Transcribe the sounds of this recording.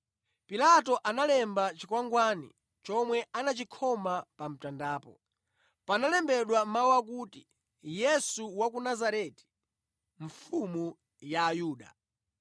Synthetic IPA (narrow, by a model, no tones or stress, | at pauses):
pilat̬ɔʔanalɛmbat͡ʃikwaŋɡwanḭ | t͡ʃɔmwɛʔanat͡ʃikʰɔmapam̩tandaːpɔ̰ | panalɛmbɛɗwamawak̬uːti | jɛsuwak̬unazaɾɛti̥ | ɱ̩fumu | jaːjuːɗa̰